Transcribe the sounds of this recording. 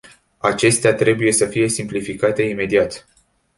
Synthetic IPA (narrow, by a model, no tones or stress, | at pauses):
at͡ʃe̞st̪eat̪ɾe̞buje̞səfije̞simplifikat̪e̞ime̞d̪iat̪